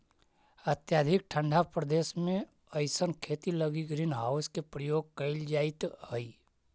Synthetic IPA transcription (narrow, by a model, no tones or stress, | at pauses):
ət̪jaːd̪ʱɪk̚ʈʰə̃ɳɖʱapɾəd̪eːsmẽ | əɪsənkʰeːt̪iləɡiɡɾiːnɦaːʊskepɾəjoːɡ̚kəɪld͡ʒaːɪt̪ɦəi